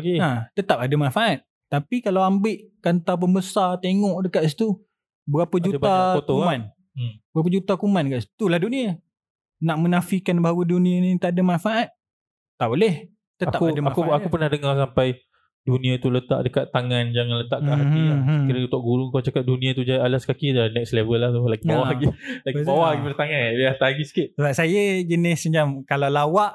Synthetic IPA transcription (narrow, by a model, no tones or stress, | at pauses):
kiat̪ət̪ap̚adamanfaʔat̪̚ | t̪ːapikalawambɪʔkant̪ap̬əmbəsart̪eŋɔʔdəkaʔsi̥t̪u | bəɾapəd͡ʒutaot̪oman | bəɣap̬ad͡ʒut̪akumandəkaʔsi̥t̪ulahdunia | naʔmənafikanbaɦawudunĩanĩt̪aʔadamanfaʔat̪̚ː | aʔbolɛh | t̪əat̪apkuadamakuaupərnahdəŋarsampaj | duniat̪ulət̪a̰ʔdəkat̪ːaŋand͡ʒaŋanlət̪aʔkanailakiɾəut̪oʔɡuɾuŋkat͡ʃakat̪̚dunĩat̪ud͡ʒajalaskakinɛkslevəlːaht̪ulaɡibawahɡilaɡisbawahɡipəɾt̪aŋanbiaht̪aɡisə̥kiʔ̪̚səbasajəd͡ʒənɪsəɲd͡ʒamkalawlawaʔ